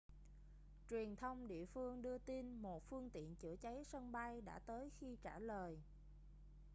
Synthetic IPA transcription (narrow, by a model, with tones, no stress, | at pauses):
t͡ɕwi˨˩ənt̪ʰə˧wŋ͡mɗḭ˧˨əfɨ˧əŋɗɨ˧ət̪i˧nmo˨˩t̚fɨ˧əŋt̪ḭ˧˨ənt͡ɕɨ̰˧˥˩ət͡ɕa˨˦jsə˧nɓa˧jɗa̰ː˧˥t̪əː˨˦jxi˧t͡ɕaː˧˩ləː˨˩j